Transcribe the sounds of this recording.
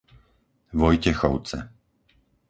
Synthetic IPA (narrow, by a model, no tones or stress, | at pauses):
ʋɔjcɛxɔʊt͡sɛ̰